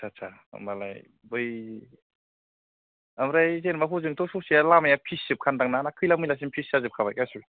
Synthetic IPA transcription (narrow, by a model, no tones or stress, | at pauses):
sʰat͡ʃʰa̰ | mala̰j | bɯj | amɾajzenmaɦuzɯŋtʰɔsɔsijalamajapʰisɯp̚kʰandaŋnanakʰɯjlamɯjlas̬inpʰisazɯp̚kʰabajkajsul